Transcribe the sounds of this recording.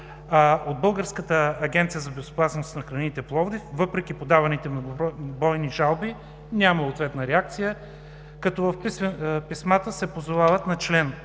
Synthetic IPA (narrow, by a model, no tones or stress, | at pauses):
od̪̚bɤlˠɡəɾskət̪əːɡʲɛnt̪sijəzɐbɛzo̥pasnost̪nɐxɾɐnit̪ɛplˠɔvd̪ifvɤpɾɛk̟ipod̪avɐnit̪ɛmnoɡbɔjniʒalˠbi | nʲaməot̪vɛt̪nəɾɛak̚t̪sijə | kɐt̪ɔvɐfppismat̪əsɛpozovavɐt̪nɐt͡ʃlɛn